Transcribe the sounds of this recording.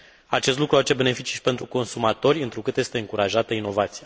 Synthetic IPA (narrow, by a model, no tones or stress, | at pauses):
at͡ʃest̪lukɾuaat͡ʃe̞be̞ne̞fit͡ʃi̥ʃipent̪ɾuko̞nsumat̪o̞rʲɨnt̪ɾukɨt̪je̞st̪eɨŋkuɾaʒat̪əino̞vat̪sija